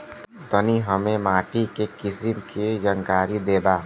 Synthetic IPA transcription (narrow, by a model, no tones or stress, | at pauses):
t̪əniɦəmẽmaːʈikekɪsimkʰid͡ʒəŋkaːɾid̪eːbaː